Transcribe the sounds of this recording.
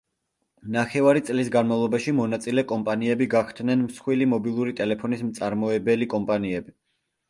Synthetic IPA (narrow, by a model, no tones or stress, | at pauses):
naχɛvaɾit̪sʼlisɡanmavlˠɔbaʃimɔnat̪sʼilɛkʼɔmpʼaniɛbiɡakʰt̪ʰnɛnmsχwilimɔbilˠuɾit̪ʼɛlɛpʰɔnismt̪sʼaɾmɔɛbɛlikʼɔmpʼaniɛbi